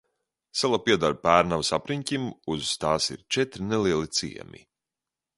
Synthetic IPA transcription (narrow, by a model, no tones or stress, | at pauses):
sɛlˠapiɛd̪aɾpæːɾnavsapɾiɲʲcʲimuz̥t̪aːsḭɾt͡ʃɛt̪ɾineliɛlˠit̪sḭɛ̰mʲḭ